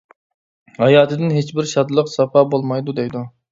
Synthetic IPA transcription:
hɑjɑːt̪ʰɨd̪ɪnɦet͡ʃbɪɾʃɑd̪lˠəqsɑpɑbolˠmɑjd̪ud̪ɛjd̪u

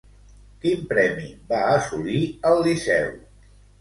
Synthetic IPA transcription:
kimpɾɛmḭbaəsuliəlˠːisɛw

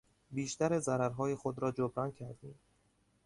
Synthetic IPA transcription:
biːʃt̪æɾezæɾæɾɦɒːje̞xod̪ɾɒːd͡ʒobɾɒːncʰæɾd̪ḭːm

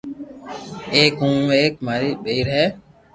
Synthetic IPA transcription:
eːkɦũːeːk̚maːɾiːɓeiɾɦɛː

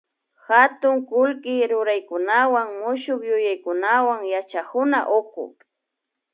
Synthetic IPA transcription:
xat̪ʊŋkʊlkɪɾʊɾajkʊnawaŋmʊʃʊkjʊjajkʊnawaŋjat͡ʃakʊnaʔokʊ̰

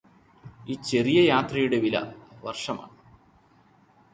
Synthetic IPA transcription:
it͡ɕe̞rijɐjaːt̪rɐjuɽe̞ʋilɐ̰ʋɐrʂɐma̰ːɳɨ

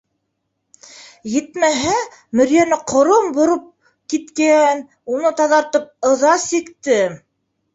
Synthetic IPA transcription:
jɘ̆t̪mæɦæ | mɵ̆ɾjænɘqʰŏɾombŏɾop̚ | kit̪kæn | unɤt̪ɑðɑɾt̪ɤp̚ɤ̆ðɑsikt̪ɘ

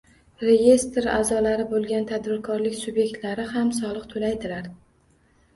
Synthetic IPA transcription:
ɾe̞jʲe̞st̪ɾa̰zɒlaɾɪbolˠɡʲant̪ʰad̪bɪɾkʰɒɾlɪkʲsʊbje̞k̚ʲt̪laɾɪhamsɒlˠɨqt̪ʰolajd̪ɪlaɾ

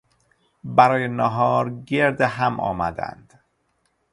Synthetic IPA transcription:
bæɾɒːjenɒːɦɒːɾɟeɾd̪eɦæmʔɒ̰ːmæ̰d̪æ̰nd̪̥

